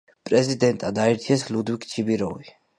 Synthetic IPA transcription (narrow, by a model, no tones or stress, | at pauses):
pʼɾɛzid̪ɛnt̪ʼad̪aiɾt̪ʰiɛslud̪wikʰʼt͡ʃʰibiɾɔvi